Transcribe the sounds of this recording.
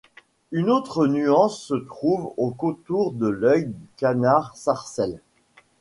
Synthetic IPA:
ynot̪χənyɑ̃sːət̪χuvokõt̪uʁd̪əlœjd̪ykanaʁsaʁsɛl

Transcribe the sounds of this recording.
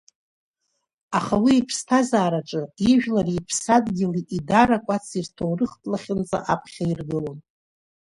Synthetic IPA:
aχawiːpʰstʰazaːɾaʈ͡ʂʼɨiʒᶣlaripʰsadɡʲɪliʔidaɾakʷʼat͡sʰirtʰowrɨχtʼlaχʲɪnt͡sʼa̰ʔapʰχʲairɡɨlon

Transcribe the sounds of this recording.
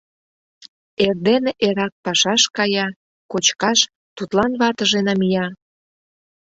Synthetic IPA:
erd̪eneʔeɾɑk̚pɑʃɑʃkɑjɑ | kot͡ɕkɑʃ | t̪ut̪lɑnβɑt̪ə̆ʒenɑmijɑ

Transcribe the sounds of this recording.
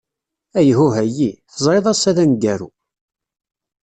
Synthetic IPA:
æjɦuɦæjiθəzˤɾeðˤɑsæðænɡæɾṵ

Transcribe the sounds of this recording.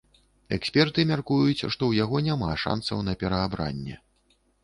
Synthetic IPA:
ɛksʲpʲɛrt̪ɨmʲarkujut͡sʲʂt̪ɔwjaɣɔnʲamaʂa̰nsɐ̰wnɐpʲɛɾɐːbɾa̰nʲːɛ̰

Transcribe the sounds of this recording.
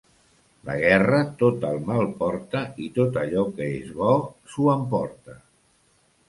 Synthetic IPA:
lə̰ɣ̞ɛrət̪ot̪əlˠmalˠpɔɾt̪əit̪ot̪əʎɔkəezβɔsuəmpɔɾt̪ə

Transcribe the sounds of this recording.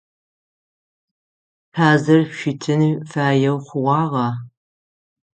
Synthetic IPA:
pʰaːzɐrʃʷɪtʰɨnifaːjɛwχʷʊʁʷɑːʁɐ

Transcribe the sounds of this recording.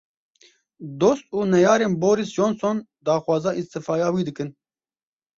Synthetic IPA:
d̪oːst̪̚uːnɛjɑːɾeːnboːɾisd͡ʒoːnson | d̪ɑːxwɑːzɑːʔist̪ɨfɑːjɑːwiːd̪ɨkɨn

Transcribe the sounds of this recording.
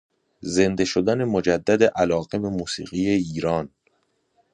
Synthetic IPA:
ze̞nd̪e̞ʃod̪æne̞mo̞d͡ʒæd̪ːæd̪eʔælɒːɣeme̞muːsḭːɣijeiːɾɒːn

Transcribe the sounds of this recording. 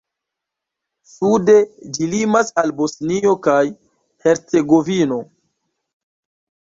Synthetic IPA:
sude̞d͡ʒilimasalbo̞snio̞kaj | he̞ɾt͡se̞ɡo̞vino̞

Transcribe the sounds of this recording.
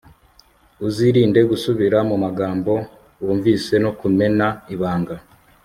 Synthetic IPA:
uziɾiːnde̞ɡusuβiɾamumaɡaːmbo̞ | woːɱviːse̞no̞kume̞naiβaːŋɡa

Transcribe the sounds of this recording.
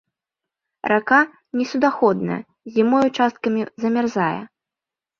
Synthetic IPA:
ɾʔaka | nʲɛsʲud̪axɔd̪̚nɐ̰jɐ̰ | zʲimɔjut͡ʂast̪̚kɐmʲizɐmʲarzajɛ̰

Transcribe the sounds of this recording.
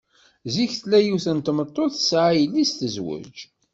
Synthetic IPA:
ziçθlæjuθənt̪mət̪ˤːoθəsʕajəlːist̪əzwʊ̰d͡ʒ

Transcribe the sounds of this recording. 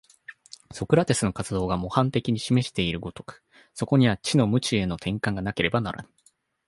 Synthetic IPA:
so̞kɯ̟ɾat̪e̞sɨno̞kat͡sɨd̪o̞ːɡamo̞hãnt̪e̞kʲiɲ̟iɕime̞ɕi̥t̪e̞iɾɯ̟ɡo̞t̪o̞̥kɯ̟̥ | so̞ko̞ɲ̟iβat͡ɕino̞mɯ̟t͡ɕie̞no̞t̪ʰẽ̞ŋkãŋɡanake̞ɾe̞bana̰ɾa̰na

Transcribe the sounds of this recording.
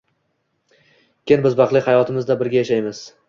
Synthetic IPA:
kʲʰenbɪzbɑqlˠɪhajɒt̪ʰɪmɪzd̪abɪɾɡʲajaʃajmɪz̥

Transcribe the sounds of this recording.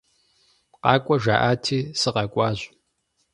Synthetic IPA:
qɑːkʷʼɔʒaːʔaːtʰiːsɨqɑkʷʼɑːʑʷ

